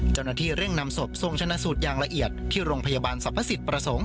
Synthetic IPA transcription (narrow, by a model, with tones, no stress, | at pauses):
t͡ɕa˥˩wnaː˥˩t̪ʰiː˥˩ɾe˥˩ŋna˧mso˨˩p̚so˧ŋt͡ɕʰa˧na˧ʔsuː˨˩t̪̚jaː˨˩ŋla˧ʔi˨˩ət̪̚ʰːiː˥˩ɾoː˧ŋpʰa˧jaː˧baː˧nsa˨˩pʰːa˦˥si˨˩t̪̚pɾa˧so˩˦ŋ